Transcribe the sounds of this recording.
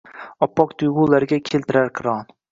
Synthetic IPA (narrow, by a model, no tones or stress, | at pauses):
ɒpːɒqt̪ʰʊjʁʊlaɾɡʲakʲʰelˠt̪ɪɾaɾkʲʰɪɾɒn